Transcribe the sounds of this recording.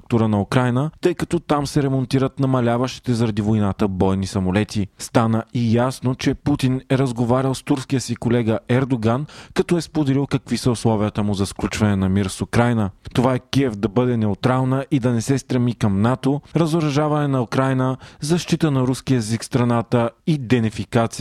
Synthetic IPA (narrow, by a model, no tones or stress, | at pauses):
uk̚t̪uɾənɐukɾajnət̪ɤjkɐt̪ɔt̪amsɛɾɛmont̪iɾət̪nɐmɐlʲavəʃt̪i̥t̪ɛzɐɾɐd̪ivojnat̪əbɔjnisɐmolɛt̪ist̪anəijasnot͡ʃɛput̪inɛɾɐzɡovaɾʲəlˠst̪uɾskijəsikolɛɡəʔɛɾd̪oɡankɐt̪ɔɛspod̪ɛlilˠkɐkvisəʊslˠɔviət̪əmuzɐsklʲut͡ʃvɐnɛnɐmiɾsukɾajnət̪ovaɛkiɛvd̪ɐbɤd̪ɛnɛʊt̪ɾalˠnəʔid̪ɐnɛsɛst̪ɾɐmikɐmnat̪oɾɐzoɾɐʒavɐnɛnɐukɾajnəzɐʃt̪it̪ənɐɾuskijəɛzikst̪ɾɐnat̪əid̪ɛnifikat̪si